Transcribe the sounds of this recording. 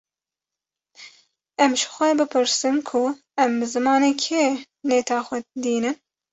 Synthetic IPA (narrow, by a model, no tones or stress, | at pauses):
ɛmʃxʷɛbɨpʰɨɾsɨnkʰʊ | ɛmbɨzɨmɑːnekʰeː | neːt̪ʰɑːxʷɛd̪iːnɨn